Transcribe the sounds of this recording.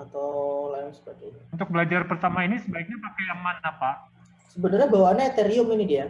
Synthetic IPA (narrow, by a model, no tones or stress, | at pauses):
at̪awlajansə̥pəɡanaunt̪ʊk̚bəlad͡ʒarpərt̪amainisəbaik̚ɲapakajamanapa | səbənərɲabawanaat̪eɾiʊminidia